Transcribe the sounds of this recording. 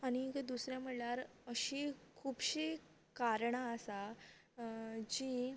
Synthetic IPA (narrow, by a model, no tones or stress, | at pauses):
aɽ̃ikd̪usɾjam̤əɽljaɾəɕiːkʰuːbɕiː | kaɾɳaːsa | d͡ʑiː